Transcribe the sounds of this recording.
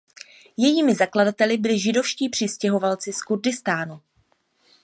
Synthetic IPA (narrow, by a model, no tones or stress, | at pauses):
jɛjiːmɪzakladat̪ɛlɪbɪlɪʒɪdo̞fʃciːpr̝̥ɪscɛɦo̞valt͡sɪskurdɪst̪aːnu